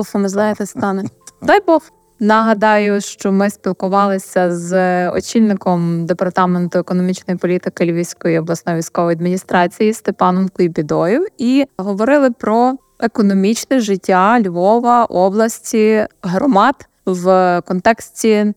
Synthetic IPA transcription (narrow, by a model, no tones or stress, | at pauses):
ɔfɔmɪzlˠɑjet̪ɛst̪ɑnɛd̪ɑjbɔf | nɐɦɐd̪ɑjʊʃt͡ʃɔmɪspʲilˠkʊʋɑlˠɪsʲɐzɔ̰t͡ʃʲilʲnɪkɔmd̪epɐrt̪ɑment̪ʊekɔnɔmʲit͡ʃnɔjipɔlʲit̪ɪkɪlʲʋʲiwsʲkɔjiɔblˠɐsnɔjʋʲijsʲkɔʋɔjɐd̪mʲinʲist̪ɾɑt͡sʲijist̪epɑnɔmkʲijbʲid̪ɔjiwiɦɔʋɔɾɪlˠɪpɾɔ | ekɔnɔmʲit͡ʃnɛʒɪtʲːalʲʋɔʋɐʔɔblˠɐsʲtʲiɦɾɔmɑt̪ | ʋkɔnt̪ɛksʲtʲi